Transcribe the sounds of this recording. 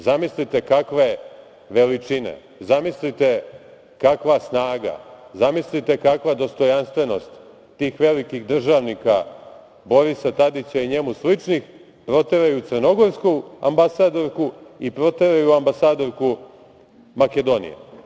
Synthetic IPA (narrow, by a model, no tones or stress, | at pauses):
zamislit̪e̞kakʋe | ʋe̞lit͡ʂine̞̰ | zamislit̪e̞ | kakʋasnaːɡa̰zamislit̪ekakʋad̪o̞st̪o̞janst̪ʋe̞no̞st̪ː | iːxʋe̞likiɣd̪r̩ʒaːʋnika | bo̞ɾisat̪ad̪it͡ɕaiɲe̞muslit͡ʂnix | pɾo̞t̪eɾajut̪sərno̞ɡo̞ɾskua̰mbasaːd̪o̞ɾkuipɾo̞t̪eɾajuambasaːd̪o̞ɾku | make̞d̪o̞nḭjḛ